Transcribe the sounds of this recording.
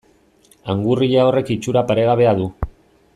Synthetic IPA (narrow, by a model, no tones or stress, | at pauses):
aŋɡuriʎao̞re̞kit͡ʃuɾapaɾe̞ɣaβe̞aðu